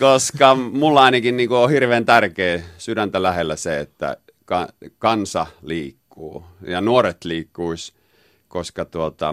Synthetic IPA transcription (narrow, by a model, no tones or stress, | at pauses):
koskɑmulːɑˑinɑkinniːŋkuohirʋeːnt̪ærkeːsyɾænt̪ælæhelːæseet̪ːæ̰ | kɑkɑnsɑliːkːuːjɑnuoret̪liːkːuis | koskɑt̪uot̪ɑ̰